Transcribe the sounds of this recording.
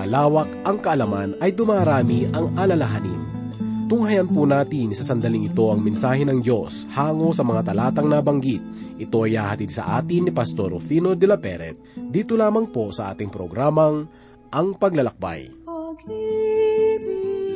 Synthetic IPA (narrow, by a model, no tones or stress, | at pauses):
ɐlaːwɐkʔɐŋkɐʔɐlɐmanɐjd̪ʊmaːɾaːmiʔɐŋʔalɐlɐɦanḭn | t̪ʊŋhɐjɐnpunaːt̪ɪnsɐsɐnd̪ɐliŋɪt̪o̞ɐŋmɛnsaːhɛnɐŋd̪jo̞s | haːŋo̞sɐmɐŋat̪ɐlaːt̪ɐŋnabɐŋɡit̪̚ | ʔɪt̪o̞ʔɐjhaːhɐt̪id̪̚sɐ̰ʔa̰ːt̪ɪnːɪpɐst̪o̞ɾfiːnod̪ɛlapɛɾɛ̰t̪̚d̪iːt̪olaːmɐŋpo̞sɐʔa̰ːt̪ɪŋpɾoɡɾaːmɐŋ | ʔɐŋpɐɡlɐlɐk̚ba̰j